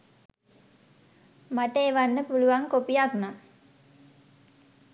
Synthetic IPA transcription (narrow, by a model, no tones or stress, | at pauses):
maʈəeʋanːəpuluʋaŋkopijakna